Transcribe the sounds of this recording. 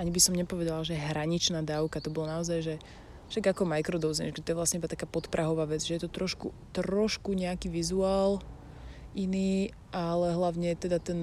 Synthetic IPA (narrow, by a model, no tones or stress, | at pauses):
ʔaɲibisɔmɲɛpɔʋɛd̪alaʒɛɛɦɾaɲit͡ʃnaːd̪aʊkat̪ɔbɔlɔnaɔzajʒɛ | fʃaɡakɔmajkɾɔd̪ɔzmɛ̰ʃɡɛt̪ɔjɛʋlasɲɛibat̪akaːpɔt̪pɾʔaɦɔʋaːʋɛd͡zʒɛjɛt̪ɔt̪ɾɔʃkṵ | t̪ɾɔʃkuɲɛakiːʋizuaːl | ʔiniː | ʔalɛɦlaʊɲɛt̪ɛd̪at̪ɛn